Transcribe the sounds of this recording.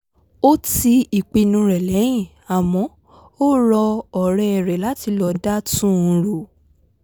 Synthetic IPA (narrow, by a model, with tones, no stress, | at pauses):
o˦ti˧i˨k͡pi˧nũ˧ɾɛ˨lɛ˨˦j̃ĩ˦˨ | a˨mɔ̃˨˦ | o˦ɾɔ˧ɔ˨ɾɛ˧ɛ˨ɾɛ˨la˨˦ti˧lɔ˧da˦tũ˦ũ˧ɾo˨